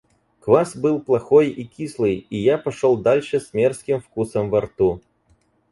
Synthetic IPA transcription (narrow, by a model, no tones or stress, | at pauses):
kvasbɨlˠplˠaxɔjikʲislˠɨjijapɐʂɔlˠd̪alʲʂɨsʲmʲɛrskʲimfkusɐmvart̪u